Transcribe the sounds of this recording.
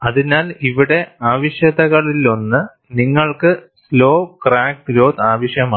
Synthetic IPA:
ɐðinaːliʋiɽe̞aːʋɐɕjɐðɐɣɐɭilo̞nːɨ | niŋːɐɭkɨslo̞ːkraːk̚d̪ɾoːt̪aːʋɐɕjɐmaː

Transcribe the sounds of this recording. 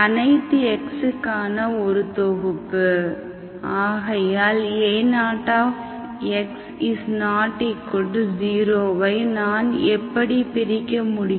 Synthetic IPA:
ɐnɐɪt̪ːɯɛksɯkːaːnɐɔɾɯt̪oɣɯpːɯ | aːɣɐjaːleːnaːʈːaːf | ɛks | ɪsnaːʈːikːʊɖd͡ʒiːɾoːʋɐɪnaːnɛpːɐɽipɪɾɪkːɐmʊɽɪ

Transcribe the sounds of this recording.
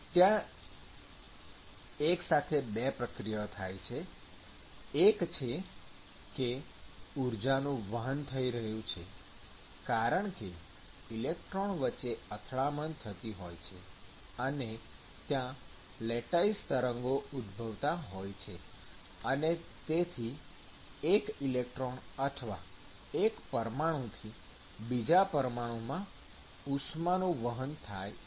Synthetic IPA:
t̪jã | eksat̪ʰebepɾəkɾijət̪ʰajt͡ʃʰe | kt͡ʃʰe | ke | uɾd͡ʒanũʋəɦənt̪ʰəiɾəɦjũt͡ʃʰḛ | kaɾəɳke | ilek̚ʈɾoɳʋətːt͡ʃːeət̪ʰɭamənt̪ʰət̪iɦojt͡ʃʰḛ | əne | t̪jã | lɛʈaist̪əɾəŋɡoud̪bʱəʋt̪aɦojt͡ʃʰe | ənet̪et̪ʰi | ekilek̚ʈɾonəʈʰʋa̰ | ekpəɾmaɽ̃õt̪ʰi | bid͡ʒapəɾmaɽ̃õmã | usmanõʋəɦənt̪ʰa̰j

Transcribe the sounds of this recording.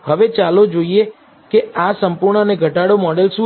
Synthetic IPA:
həʋet͡ʃalod͡ʒoie | keasəmpuɾɳəəneɡʱəʈaɽomɔɽelsũ

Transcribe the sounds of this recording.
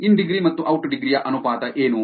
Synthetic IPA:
inɖiɡɾimɐt̪ːuʔɐwʈɖiɡɾijɐʔɐnupaːt̪ɐʔeːnu

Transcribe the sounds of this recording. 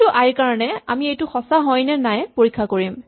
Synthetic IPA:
ʊʔajɹkaɹɔnɛa̰miejtʊxɔsaɦɔjnɛnajpoɹikʰːakoɹim

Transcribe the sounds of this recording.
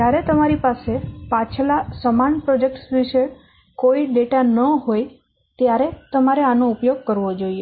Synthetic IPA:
d͡ʒaɾet̪əmaɾipasepat͡ʃʰlasəmanpɾod͡ʒek̚ʈsʋiʃe | koiɖeʈanəɦoj | t̪jaɾet̪əmaɾeanoupjoɡ̚kəɾʋod͡ʒoie

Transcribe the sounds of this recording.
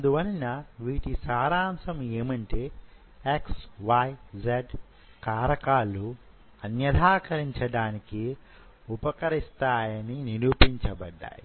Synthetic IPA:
ɐɐnd̪uʋɐninɐʋiːʈisaːɾaːmsɐmeːmɐɳʈeː | eksʋajd͡ʒeɖ | kaːɾɐkaːlːu | ɐnjɐd̪ʱaːkɐɾiɲt͡ʃɐɽaːniki | upɐkɐɾist̪aːjɐniniɾupiɲt͡ʃɐbɐɖːa̰ːji

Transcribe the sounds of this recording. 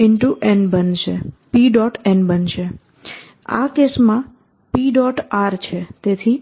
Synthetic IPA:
ɪɳʈuʔenbənt͡ʃʰḛpiɖɔʈɛnbənʃʰe | a̰kesmã | piɖɔʈaɾt͡ʃʰet̪et̪ʰi

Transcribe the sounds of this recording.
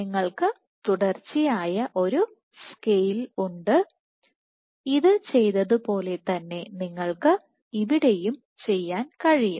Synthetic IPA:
niŋːɐɭkɨ | t̪uɽɐrt͡ɕːijaːjɐʔo̞ɾu | skejluɳɖɨ | iðɨt͡ɕe̞jt̪ɐðupo̞ːle̞t̪ɐnːe̞niŋːɐɭkɨ | iʋiɽe̞jum | t͡ɕe̞jːaːnkɐɻijum

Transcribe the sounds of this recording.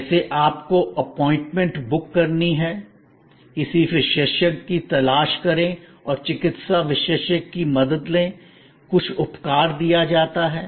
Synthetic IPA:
seʔaːpkoʔɐpɔːɪ̃ɳʈmẽɳʈbʊkːɐɾniɦɛː | ɪsiʋɪʃeːʃəkːit̪ɐlaːʃkɐɾẽɔːɾt͡ʃɪkɪt̪saʋɪʃeːʃəkːimɐd̪əd̪lẽ | kʊt͡ʃʰʊpkaːɾd̪ijad͡ʒaːt̪aɦɛː

